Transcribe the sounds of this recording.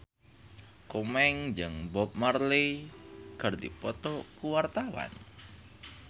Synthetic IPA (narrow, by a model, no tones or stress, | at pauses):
kumɛŋd͡ʒəŋbɔp̚mərli | ɡ̥a̤rd̪ipɔt̪ɔkuwart̪awa̰n